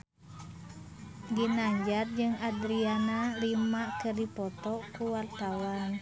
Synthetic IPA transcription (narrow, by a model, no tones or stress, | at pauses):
ɡinaɲd͡ʒat̚d͡ʒɨŋad̪ɾianalimakɨrdipɔt̪ɔkuwart̪awan